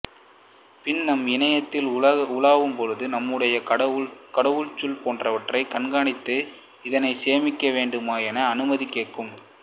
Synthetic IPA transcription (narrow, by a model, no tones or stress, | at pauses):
pɪnnɐmɪnɐjɐt̪ːɪlɐɐʊlaːʋɯmpɔɻɯðɯnɐmːɯɽɐjɐkɐɽɐʋɯɭt͡ʃʊlpoːndrɐʋɐʈrɐɪkɐɳɡaːɳɪt̪ːɯ | ɪðɐnɐɪseːmɪkːɐʋeːɳɖɯmaːjɛnɐːnɯmɐðikːeːʈ̚kɯm